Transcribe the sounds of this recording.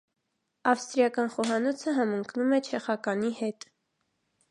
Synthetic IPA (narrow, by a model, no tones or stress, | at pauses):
ɑfst̪ɾijɑkɑnχɔɦɑnɔt͡sʰəɦɑməŋkʰnumɛt͡ʃʰɛχɑkɑnihɛt̪